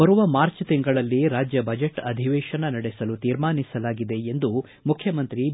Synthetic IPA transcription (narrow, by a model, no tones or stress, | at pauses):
bɐɾuʋɐmaːɾt͡ʃt̪iŋɡɐɭɐlːiɾaːd͡ʒjɐbɐd͡ʒeʈɐd̪ʱiʋɛːʃɐnɐnɐɽesɐlut̪iːɾmaːnisɐlaːɡid̪e̞end̪u | mukʰjɐmɐnt̪ɾi